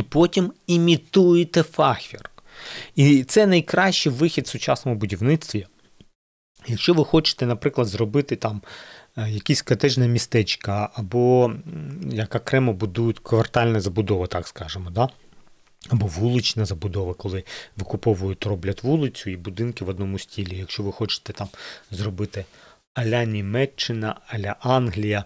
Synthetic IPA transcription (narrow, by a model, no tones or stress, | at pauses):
ipɔtʲimimʲit̪ujet̪ɛfɑxʲir | it̪sɛnɐjkɾɑʃt͡ʃɪjʋɪxʲid̪sʊt͡ʃɑsnɔmʊbʊdʲiʋnɪt̪sʲt̪ʋʲi | jɐkʃt͡ʃɔʋɪxɔt͡ʃɪ̥t̪ɛnɐpɾɪklˠɐd̪zrɔbɪt̪ɪt̪ɑm | jɐkʲisʲkɐt̪ɛʒnɐmʲist̪ɛt͡ʃkɐɐbɔ | jɐkɐkɾɛmɐbʊd̪ujʊtʲkʋɐrt̪ɑlʲnɐzɐbʊd̪ɔʋɐt̪ɑkskɑʒemɔd̪ɑ | ɐbɔʋulˠɪt͡ʃnɐzɐbʊd̪ɔʋɐkɔlˠɪʋɪkʊpɔʋʊjʊtʲrɔblʲɐt̪ʲʋulˠɪt͡sʲʊibʊd̪ɪnkɪʋɔd̪nɔmʊsʲtʲilʲijɐkʃt͡ʃɔʋɪxɔt͡ʃɪ̥t̪ɛt̪ɑmzrɔbɪt̪ɪ | ɐlʲɐnʲimɛt͡ʃːɪnɐ̰ɐlʲɐʔɑnɦlʲijɐ